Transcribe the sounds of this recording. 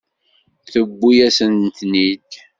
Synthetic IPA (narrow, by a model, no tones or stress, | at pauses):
θəbːujæsənt̪nid̪